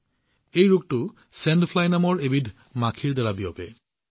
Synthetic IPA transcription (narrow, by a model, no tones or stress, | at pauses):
ejɹuk̚tʊ | sɛndpʰlajnamɔɹebidʱ | makʰiɹdɛɹabijɔpɛ